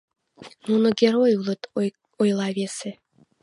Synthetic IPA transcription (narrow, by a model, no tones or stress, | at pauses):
nunŏɡʲeɾojulˠɤ̆t̪ | ojlˠɑβʲese